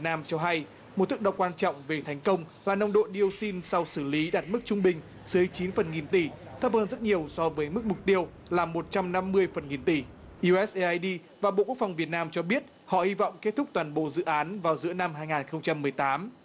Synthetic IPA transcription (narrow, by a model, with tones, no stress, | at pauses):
t̚naː˧mt͡ɕɔ˧ɦa˧j | mo˨˩t̚t̪ʰɨ˦˥k̚ɗə˨˩wkwaː˧nt͡ɕɔ̰˧˨wŋ͡mve˨˩t̪ʰɛ˨˩jŋ̟kə˧wŋ͡mlaː˨˩na˧wŋ͡mɗo̰˧˨ɗi˧ə˧wsi˧nsa˧wsɨ˧˩li˨˦ɗaː˨˩t̚mɨ˦˥k̚t͡ɕʊ˧ŋ͡mɓï˨˩ŋ̟ | sɨ˨˦jt͡ɕi˨˦nfə˨˩nŋi˨˩nt̪i˧˩t̪ʰə˦˥p̚həː˧nzə˦˥t̚ɲi˨˩əwsɔ˧vəː˨˦jmɨ˦˥k̚mʊ˨˩k͡p̚t̪i˧əw | laː˨˩mo˨˩t̚t͡ɕa˧mna˧mːɨ˧əjfə˨˩nŋi˨˩nt̪i˧˩ | ʔu˧ʔɛ˦˥sʔʔaː˧jɗi˧ | vaː˨˩ɓo̰˧˨ku˦˥əkfa˨˩wŋ͡mvi˨˩ət̚naː˧mt͡ɕɔ˧ɓi˦˥ət̚ | hɔ̰˧˨hi˧vɔ̰˧˨wŋ͡mke˦˥t̚t̪ʰʊ˦˥k͡p̚t̪waː˨˩nɓo̰˧˨zɨ̰˧˨ʔaː˨˦nvaː˨˩wzɨ̰˧˥əna˧mɦaː˧jŋaː˨˩nxə˧wŋ͡mt͡ɕa˧mːɨ˨˩əjt̪aː˨˦m